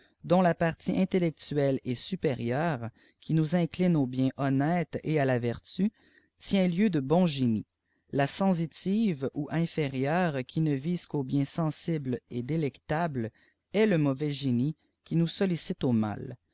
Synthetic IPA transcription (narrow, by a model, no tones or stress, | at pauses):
d̪ɔ̃lapaʁt̪iʔɛ̃t̪elɛk̚t̪yɛlɛsypeʁjœːʁ | kʲinuzɛ̃klɪnobjɛ̃ʔɔnɛːt̪ealavɛʁt̪y | t̪jɛ̃ljød̪əbɔ̃ʒeni | lasɑ̃zit̪iːvuʔɛ̃feʁjœːʁkʲʰinəviːzkobjɛ̃sɑ̃sibled̪elɛkt̪abl | ɛləmɔvɛʒeni | kʲinusɔlisɪt̪oma̰l